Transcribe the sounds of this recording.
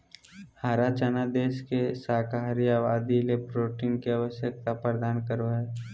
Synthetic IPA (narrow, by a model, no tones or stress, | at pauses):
haːɾat͡ʃanad̪eːʃkesaːkaɾijaʋaːd̪ilepɾoːʈiːnkiaʋəʃjək̚t̪apɾəd̪aːnkəɾʋae